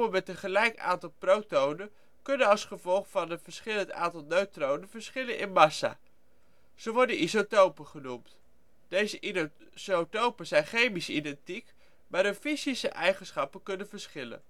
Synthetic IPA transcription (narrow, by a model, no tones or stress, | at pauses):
əmɛtənχəlɛjka̰ːntɑlˠprowtownən | kɵnənɑlˠsχəvɔlˠχfɑnəfəɹsχɪləəta̰ːntɑlˠnøɥtrownənvəɹsχɪlənʔɪnmɑsa̰ | z̥əʋɔɹdənisotowpəχənumt | d̥ejzəʔi | sotowpəz̥ɛjnχejmisidɛntik | maːɾəfizisəʔɛjχənsχɑpəkɵnənvəɹsχɪlə̰n